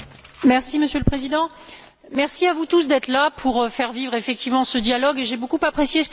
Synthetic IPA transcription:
mɛʁsiməsjøləpχezid̪ɑ̃ | mɛʁsiavut̪us̬d̪ɛt̪χlapʰuʁfɛʁvivʁefɛk̚t̪ivmɑ̃səd̪jalɔɡeʒebokupapχesjesə

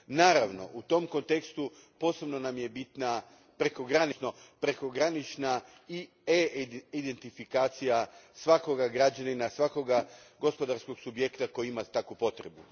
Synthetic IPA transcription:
naːɾaʋno̞̰ʔut̪o̞mko̞nt̪e̞kst̪u | po̞ːse̞bno̞namje̞bit̪na | pɾe̞ko̞ɡɾanit͡ʃno̞pɾe̞ko̞ɡɾanit͡ʃna | i | eid̪ent̪ifikaːt̪sijasʋako̞ɡaɡɾad͡ʒaninasʋako̞ɡaɡo̞spo̞d̪aɾsko̞ɡsubje̞kt̪ako̞jiimat̪akʋupo̞t̪ɾe̞bu

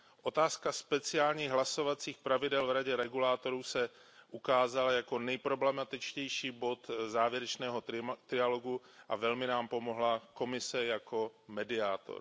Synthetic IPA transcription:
ʔo̞t̪aːskaspɛt͡sɪaːlɲiːɣɦlaso̞vat͡siːxpɾavɪdɛlvɾaɟɛɾɛɡulaːt̪o̞ɾuːsɛʔukaːzalajako̞nɛjpɾo̞blɛmat̪ɪt͡ʃcɛjʃiːbo̞t̪zaːvjɛɾɛt͡ʃnɛːɦo̞t̪ɾɪjalo̞ɡu | ʔavɛlmɪnaːmpo̞mo̞ɦlako̞mɪsɛjako̞mɛdɪaːt̪o̰ɾ

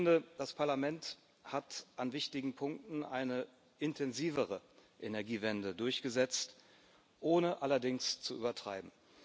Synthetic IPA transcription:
ndəd̥aspʰaɐlamɛnt | hatʔanvɪçtɪɡŋ̩pʰʊŋk̚tn̩ʔaɪnə | ʔɪntʰɛnziːvəʁ̞əʔenɛɐɡiːvɛndədʊɐçɡ̥əzɛt͡st | ʔoːnəʔalɐdɪŋst͡suʔy̰ːbɐtʁ̥a̰ɪbm̩

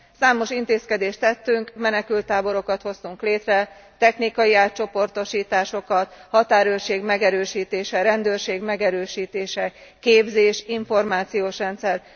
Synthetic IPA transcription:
saːmo̞ʃint̪eːskɛd̪eːʃt̪ɛt̪ːyŋkmɛnɛkylt̪ːaːbo̞ɾo̞kɒt̪ho̞st̪uŋkleːt̪rɛ | t̪ɛxnikɒjiaːt̪̚t͡ʃo̞po̞rt̪o̞ʃiːt̪aːʃo̞kɒt̪hɒt̪aːɾøːrʃeːɡmɛɡɛɾøːʃiːt̪eːʃɛɾɛnd̪øːrʃeːɡmɛɡɛɾøːʃiːt̪eːʃɛkeːbzeːʃiɱfo̞rmaːt̪sijoːʃrɛnt̪sɛr

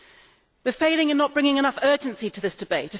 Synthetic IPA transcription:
wɪfeɪlɪ̃ŋɨ̃nːəʔ̚b̥ɹɪ̃ŋɪ̃ŋɨnʌfɜˑːd͡ʒə̃nsitʰəðɪsd̥ɨbeɪtə

